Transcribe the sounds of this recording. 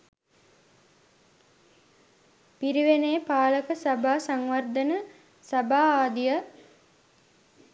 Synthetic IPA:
piɾiʋeneːpaːləkəsɐbaːsaŋʋɐrd̪ənə | sɐbaːaːd̪ijə

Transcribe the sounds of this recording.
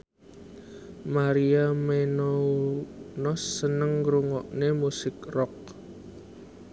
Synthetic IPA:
maɾiamenounɔsːənəŋɾuŋɔʔnemusɪkrɔk̚

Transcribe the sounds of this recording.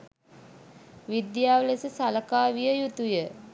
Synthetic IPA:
ʋid̪jaːʋlesəsaləkaːʋijəjut̪ujə

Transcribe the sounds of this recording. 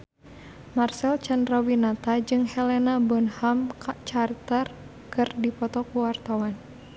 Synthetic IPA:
marsɛlt͡ʃandɾawinat̪ad͡ʒɨŋhɛlɛnabɔnhamt͡ʃart̪ər | kɨrdipɔt̪ɔkuwart̪awan

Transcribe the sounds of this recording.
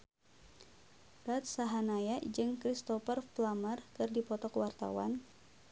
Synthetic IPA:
ɾat̪̚saɦanajad͡ʒɨŋkɾist̪ɔfərflamərkɨrdipɔt̪ɔkwart̪a̰wa̰n

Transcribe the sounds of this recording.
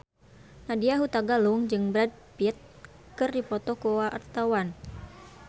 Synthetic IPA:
nadiaɦut̪aɡaluŋd͡ʒɨŋbɾad̚piət̪̚ | kɨrdipɔt̪ɔkoaʔart̪awan

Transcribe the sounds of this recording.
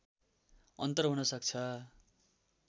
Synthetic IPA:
ʌnt̪ʌrɦunʌsʌk̚t͡sʰʌ

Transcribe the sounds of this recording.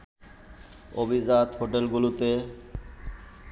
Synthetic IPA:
o̰bizat̪ɦoʈelɡulut̪e

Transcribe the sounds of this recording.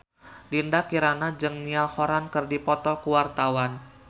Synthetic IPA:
diəndakiɾanad͡ʒɨŋnialhoɾankərdipɔt̪ɔkuwart̪awan

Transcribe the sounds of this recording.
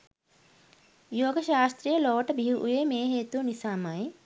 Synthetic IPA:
joːɡɐʃaːst̪ɾijəloːʈɐbʱiɦuʔṵjemeːɦeːt̪unisaːmaj

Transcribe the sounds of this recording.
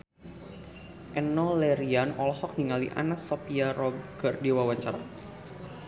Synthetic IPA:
ʔɛnɔlɛɾianɔlɔhɔk̚niŋalḭʔa̰nasɔpiaɾɔbɡərdewawat͡ʃaɾa

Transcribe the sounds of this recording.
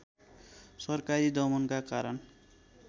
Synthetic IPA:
sʌrkaɾid̪ʌmʌnkakaɾʌn

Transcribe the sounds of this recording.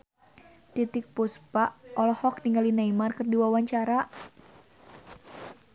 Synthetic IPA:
t̪it̪ɪk̚puspaʔɔlɔhɔkniŋɡalinaimarkɨrdiwawaɲt͡ʃaɾa

